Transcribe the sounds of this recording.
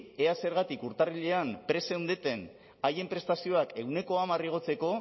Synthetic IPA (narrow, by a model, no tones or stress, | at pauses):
ease̞ɾɣat̪ikuɾt̪ariʎe̞ampɾe̞se̞wnd̪et̪e̞n | aje̞mpɾe̞st̪asio̞ake̞ɣwne̞ko̞amariɣ̞o̞t͡se̞ko̞